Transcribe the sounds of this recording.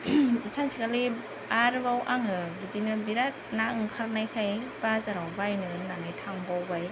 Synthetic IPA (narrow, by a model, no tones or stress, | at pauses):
sansʰikali | aɾbawʔaŋɯbidinɯbiɾat̚naŋkʰaɾnajkʰajb̥azaɾawbajnɯnanɯjtʰaŋbawbaj